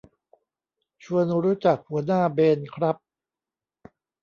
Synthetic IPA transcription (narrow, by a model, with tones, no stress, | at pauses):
t͡ɕʰu˧ənɾuː˦˥t͡ɕa˨˩k̚hu˩˦ɐnaː˥˩beː˧nkʰɾa˦˥p̚